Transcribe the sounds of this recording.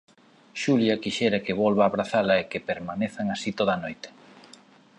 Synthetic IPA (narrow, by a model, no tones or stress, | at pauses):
ʃuljɐkiʃɛɾɐkeβɔlβaːβɾaθalɐekepeɾmaneθaŋasit̪oð̞ɐnojt̪e̥